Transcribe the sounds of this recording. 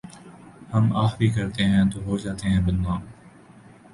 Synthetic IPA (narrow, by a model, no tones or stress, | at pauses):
həmaːxbʱiːkɐɾt̪eɦɛ̃ːt̪oːɦoːd͡ʒaːt̪eɦɛ̃ːbənʋãː